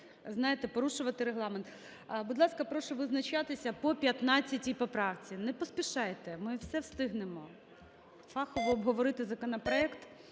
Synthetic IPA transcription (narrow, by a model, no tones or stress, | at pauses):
znɑjɪt̪ɛpɔɾuʃʊʋɐt̪ɪɾeɦlˠɑment̪ | bud̪lˠɑskɐpɾɔʃɔʋɪznɐt͡ʃɑt̪ɪsʲɐpɔpʲjɐt̪nɑt͡sʲːɐtʲijpɔpɾɑwt͡sʲinɛpɔspʲiʃɑjt̪ɛmɪwsɛwst̪ɪɦnemɔ | fɑxɔʋɔɔbɦɔʋɔɾɪt̪ɪzɐkɔnɐpɾɔɛkt̪